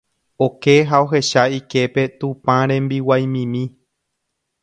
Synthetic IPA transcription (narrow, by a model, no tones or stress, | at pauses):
o̞ke̞ɦao̞ɦe̞ʃaike̞pe̞t̪ũpãɾ̃ẽ̞mbiwajmĩmĩ